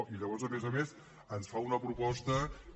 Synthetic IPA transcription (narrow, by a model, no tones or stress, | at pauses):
iʎəβ̞ɔɾzəmezəmes | ənsfaunəpɾupɔst̪ə